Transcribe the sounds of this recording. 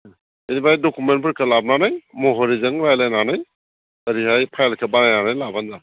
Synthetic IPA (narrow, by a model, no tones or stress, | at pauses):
enibajdokumenpʰɯɾkʰalab̚nanajmoɦoɾizɐŋɾajlajnanaj | ɐɾiɦajpʰajlkʰabaŋajnanajlabanda